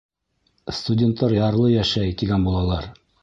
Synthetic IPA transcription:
st̪udʲent̪ʰːɑɾjɑɾlˠɤjæʃæjt̪iɡænbulˠɑlˠɑɾ

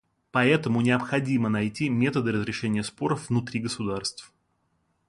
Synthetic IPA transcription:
pɐɛt̪əmʊnʲɪəpxɐdʲimənɐjtʲimʲet̪əd̪ɨɾəzɾʲɪʂɛnʲɪjəspo̞ɾəfvnʊt̪ɾʲiɡəsʊd̪arst̪f

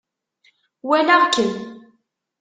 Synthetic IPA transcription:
wænaʁkːən

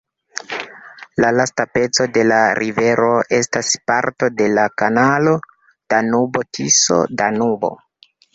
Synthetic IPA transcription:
lalastape̞t͡so̞de̞laɾʔive̞ɾo̞ʔe̞staspaɾto̞de̞lakanalo̞ | d̥anubo̞tʰiso̞̰danubo̞̰

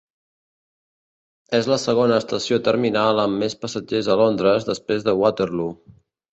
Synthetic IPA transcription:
ezləsəɣonəːst̪əsiot̪əɾminalˠəmːespəsəd͡ʒezəlond̪ɾəzðəspɾezðəwat̪əɾlu

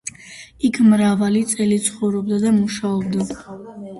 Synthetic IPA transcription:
ikʰmɾavalit̪sʼɛlit̪sʰχɔvɾɔb̚d̪ad̪amuʃaɔbd̪a

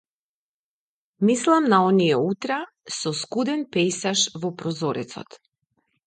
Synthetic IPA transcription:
mislˠamnaɔnijɛut̪ɾɛ | sɔskud̪ɛnpɛjsaʃvɔpɾɔzɔɾɛ̰t̪sɔ̰t̪

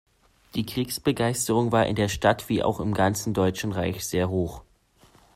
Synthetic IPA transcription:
d̥iːkʁ̥iːksb̥əɡaɪstəʁʊŋvaːɐʔɪ̰ndeːɐʃtatv̥iːʔa̰ʊxɪmɡant͡sn̩dɔʏt͡ʃn̩ʁaɪçz̥eːɐɦoːχ

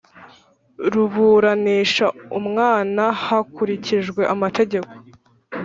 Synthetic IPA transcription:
ɾuβuːɾaniːʃaumŋaːnahakuɾiciʒɡwe̞ʔamate̞ɟe̞ko̞̥

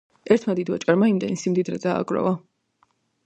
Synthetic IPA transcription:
ɛɾt̪ʰmad̪id̪vat͡ʃʼaɾmaimd̪ɛnisimd̪id̪ɾɛd̪a̰ːɡʼɾɔ̰va

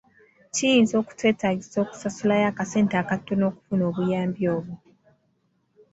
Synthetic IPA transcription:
cijiːnzo̞ːku̥twe̞ːtaɟizo̞ːku̥sasulajaːkase̞ːntakatːono̞ːku̥funo̞ːβujaːmbjo̞ːβu

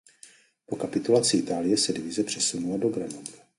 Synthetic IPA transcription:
po̞kapɪt̪ulat͡sɪʔɪt̪aːlɪjɛsɛdɪvɪzɛpr̝̥ɛsunulado̞ɡɾanat̪u̥

